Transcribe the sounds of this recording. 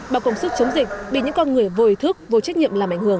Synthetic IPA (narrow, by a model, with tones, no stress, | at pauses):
ɓaː˨˩kə˨˩wŋ͡msu˦˥t̚t͡ɕə˨˦wŋ͡mzi˨˩k̟̚ɓḭ˧˨ɲɨ̰˧˥ŋkɔ˧nŋɨ˨˩əjvo˨˩jt̪ʰɨ˦˥k̚vo˨˩jt͡ɕa˦˥ɲḭ˧˨əmlaː˨˩mʔa˧˩jŋ̟hɨ˧˩əŋ